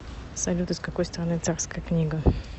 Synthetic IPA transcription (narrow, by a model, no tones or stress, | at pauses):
sɐlʲut̪ɨskɐko̞jst̪əɾɐnɨt̪sarskəjəknʲiɡə